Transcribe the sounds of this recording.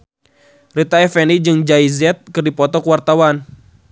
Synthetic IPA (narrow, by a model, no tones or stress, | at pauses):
rit̪aɛfɛnid͡ʒɨŋd͡ʒaizɛt̪̚kɨrdipɔt̪ɔkwart̪awan